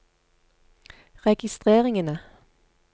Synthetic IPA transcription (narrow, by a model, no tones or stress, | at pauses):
ʁɛɡ̥ɪst̪ʁeːʁɪŋənə